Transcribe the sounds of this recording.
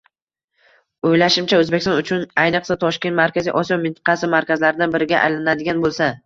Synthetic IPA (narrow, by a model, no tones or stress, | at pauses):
ojlaʃɪmt͡ʃʰaɵzbekʲɪst̪nʊt͡ʃʰʊnajnɨqsat̪ʰɒʃkʲe̞nt̪maɾkʲʰazijʔɒsijɒmɪnt̪ʰɑ̥qʰɑsɪmaɾkʲazlaɾɪd̪anbɪɾɪɡʲaʔa̰jlanad̪ɪɡʲanbolˠsa